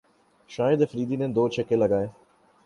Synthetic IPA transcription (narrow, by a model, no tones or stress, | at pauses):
ʃaːɪd̪efɾiːd̪inẽːd̪oːt͡ʃʰekeləɡaːeː